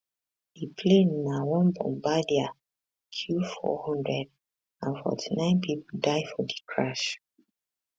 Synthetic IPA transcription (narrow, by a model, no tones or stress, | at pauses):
ipʰlennawɔ̃nbɔ̰̃mbadia | kʰjufɔ̰hɔ̃ndɹɛd | ãnfɔ̰tʰinãɪ̃npʰipuldaɪfɔdikʰɹaʃ